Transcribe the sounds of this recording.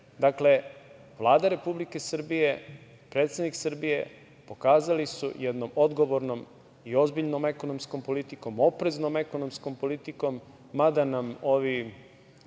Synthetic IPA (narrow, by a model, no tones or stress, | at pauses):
d̪akle̞ | ʋlˠaːd̪aɾe̞publike̞sr̩bije | pɾet̪sed̪niksr̩bije̞ | po̞kaːzalisṵjɛd̪nomo̞d̪ɡo̞ʋoɾno̞m | io̞zbiʎnome̞ko̞nomsko̞mpo̞lit̪iko̞mo̞pɾeznome̞konomsko̞mpo̞lit̪iko̞mː | ad̪anamo̞ʋi